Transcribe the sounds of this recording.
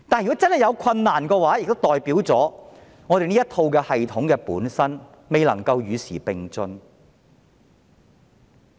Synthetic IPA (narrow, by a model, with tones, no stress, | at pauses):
t̪aː˨njy˨kɔ˨˥t͡sɐ˥nhɐ˨˩jɐ˨˧wkʷʰɐ˧nːaː˨˩nkɛː˧waː˨˥jk̚t̪o˥wt̪ɔː˨jpiː˨˥wt͡sɔː˨˥ | ŋɔː˨˧e˨jniː˥t̪ʰo˧wkɛː˧hɐ˨jt̪ʰʊ˨˥ŋkɛː˧puː˨˥nsɐ˥n | me˨˧jlɐ˨˩ŋkɐ˧wjyː˨˧siː˨˩pɪ˨ŋt͡sɵ˧n